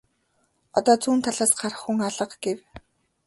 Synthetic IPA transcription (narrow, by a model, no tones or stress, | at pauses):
ɔt̪ɔːt͡suːnt̪ʰaɮaːsɢaɾə̆χxuŋaɮə̆qɡ̥ew